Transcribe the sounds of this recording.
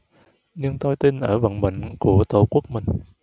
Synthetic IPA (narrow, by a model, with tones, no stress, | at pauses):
ɲɨ˧ŋt̪o˧jt̪i˧nʔəː˧˩və̰˧˨nɓḛ˧˨ŋ̟ku˧˩ət̪o˧˩ku˦˥ək̚mï˨˩ŋ̟